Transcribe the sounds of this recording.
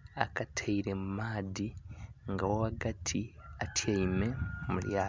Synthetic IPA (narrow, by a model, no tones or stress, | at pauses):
akatʰeiɾemumaːdiŋɡawoaɡatʰiatʰaimemuljaː